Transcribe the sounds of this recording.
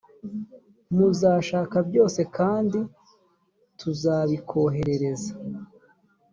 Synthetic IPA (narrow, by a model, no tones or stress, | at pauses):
muzaːʃaːkabjo̞ːse̞kaːndi | tʰuzaːβikʰo̞ɦe̞ɾeɾe̞za